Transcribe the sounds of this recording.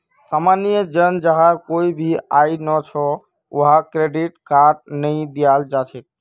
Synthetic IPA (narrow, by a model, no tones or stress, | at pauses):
samanijəd͡ʒənd͡ʒəɦãkoibʱiainɔt͡ʃʰɔ | o̰ɦakɾeɖiʈkaɾʈ̚nəĩd̪ijald͡ʒat͡ʃʰɛk̚